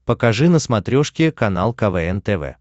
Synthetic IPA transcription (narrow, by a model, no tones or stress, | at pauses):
pəkɐʐɨnəsmɐt̪ɾʲoʂkʲɪkɐnalˠkɐvɛɛnt̪ɛvɛ̰